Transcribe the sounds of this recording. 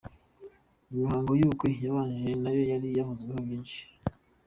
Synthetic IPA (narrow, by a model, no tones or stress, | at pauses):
imihaːŋɡojukwejaβaːnʒenajo̞jaɾijavuzɡwehobjiːnʃi̥